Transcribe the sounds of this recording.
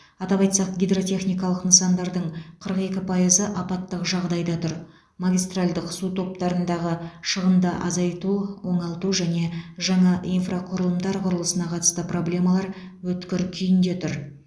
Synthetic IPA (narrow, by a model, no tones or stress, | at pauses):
ɑt̪ɑβɑjt̪sɑqɡʲijd̪ro̞t̪ʲe̞χnijkɑlˠəqnəəsɑnd̪ɑɾd̪əɴqʰəɾəqe̞kʲɪpʰɑjəzəʔɑpɑt̪ːəqʒɑʁd̪ɑjd̪ɑt̪ʰʊɾ | maɡʲijst̪ralʲd̪əqsut̪ʰo̞p̚t̪ɑɾənd̪ɑʁəʃəʁənd̪əʔɑzɑjt̪uwo̞ɴɑlˠt̪uʒæne̞ʒɑɴɑʔijnfraqʰʊɾəlˠəmd̪ɑɾqʰʊɾəlˠəsənɑqʰɑt̪ə̥st̪əpro̞blʲe̞mɑlˠɑɾ | wɵt̪kʲɪɾkʲʰʏjɪnd̪e̞t̪ʰʊɾ